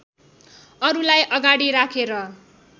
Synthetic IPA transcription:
ʌɾulajʔʌɡaɽiɾakʰeɾʌ

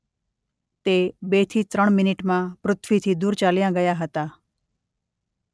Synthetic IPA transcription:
t̪ebet̪ʰiːt̪ɾəɳ̃mɪnɪʈmãpɾʊt̪ʰʋit̪ʰid̪uːɾt͡ʃaljãɡəjaɦət̪a

